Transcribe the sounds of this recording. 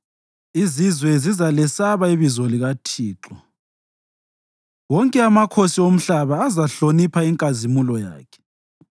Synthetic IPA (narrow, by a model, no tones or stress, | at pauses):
izizwɛzizalɛsaβaiβizɔliɣatʰiːǁɔ | wɔŋkʼɛamakʰosiom̩ɬaβaːzaɬonipʰaiŋkʼazimulɔja̰ːkʰɛ̥